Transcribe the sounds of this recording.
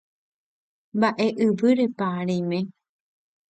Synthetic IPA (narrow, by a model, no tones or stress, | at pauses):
mbaʔe̞ʔɨʋɨɾe̞paɾemẽ